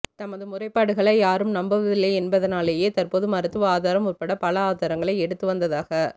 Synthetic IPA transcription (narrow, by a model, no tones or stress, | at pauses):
t̪ɐmɐðɯmʊrɐɪpːaːɽɯɣɐɭɐɪjaːɾɯmnɐmbɐʋɪlːɐɛnbɐðɐnaːlejeːt̪ɐrpoːðɯmɐɾɯt̪ːɯʋaːðaːɾɐmʊrpɐɽɐpɐlɐaːðaːɾɐŋɡɐɭɐɪɛɽɯt̪ːɯʋɐnd̪ɐðaːɣɐ